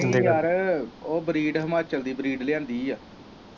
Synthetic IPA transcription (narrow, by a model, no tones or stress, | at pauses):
d̪eaɾoːbəɾiːɖɦəmaːt͡ʃəld̪iːbəɾiːɖlɪjãːnd̪iːaː